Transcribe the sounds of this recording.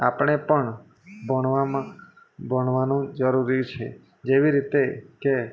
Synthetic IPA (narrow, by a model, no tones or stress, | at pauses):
apɳ̃epəɳ | bəɳʋamã | bəɳʋanũd͡ʒəɾuɾit͡ʃʰe | d͡ʒeʋiɾit̪eke